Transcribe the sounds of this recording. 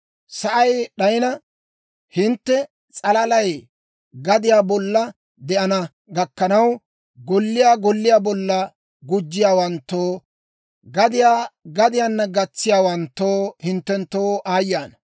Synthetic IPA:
sɐʔɐjɗɐjnɐ | hɪnt̪ːɛ | t͡sʼɐlɐlɐj | ɡɐd̪ɪjaːbɔlːɐ | d̪ɛʔɐnɐ | ɡɐkːɐnɐw | ɡɔlːɪjaːɡɔlːɪjaːbɔlːɐ | ɡʊd͡ʒːɪjaːwɐnt̪ːoː | ɡɐd̪ɪjaːɡɐd̪ɪjanːɐɡɐt͡sːɪjaːwɐnt̪ːoːhɪnt̪ːɛnt̪ːoːʔaːjːaːnɐ

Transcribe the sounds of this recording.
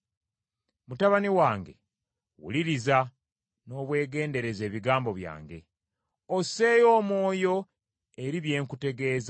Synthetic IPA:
mutaβaniwaːŋɡe̞̰ | wṵliɾiza | no̞ːβwe̞ːɡe̞ːnde̞ɾe̞ze̞ːβiɡaːmbo̞βja̰ːŋɡe̞̰ | ose̞jo̞ːmo̞ːjo̞ | e̞ɾiβje̞ːŋkute̞ɡe̞ːza

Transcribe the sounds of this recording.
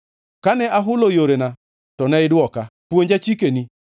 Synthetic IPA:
kanɛʔaɦʊlojoɾena | tɔnɛɪdwɔkapwoɲd͡ʒat͡ʃikeni

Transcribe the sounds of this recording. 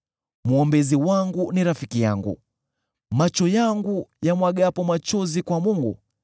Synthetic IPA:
muɔmbɛziwaŋɡuniɾafikijaŋɡṵ | mat͡ʃɔjaŋɡujamwaɠapɔmat͡ʃɔzikwamuŋɡu

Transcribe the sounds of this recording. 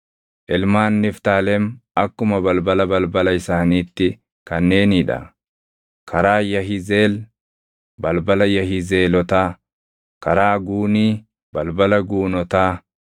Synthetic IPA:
ʔɪlmaːnːɪft̪aːlɛmɐkːʊmɐbɐlbɐlɐbɐlbɐlɐɪsaːniːt̪ːɪ | kɐnːe̞ːnɪːᶑɐ̰ | kʰɐɾaːjɐɦɪzeːl | bɐlbɐlɐjɐɦɪze̞ːlɔt̪aː | kɐɾaːɡuːniː | bɐlbɐlɐɡuːnɔt̪aː

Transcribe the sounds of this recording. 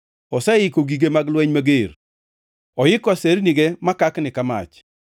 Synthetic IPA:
ɔsɛɪkoɡiɡemaɡlwɛɲmaɡeɾ | ɔjɪkɔaseɾniɡemakaknɪkama̰t͡ʃ

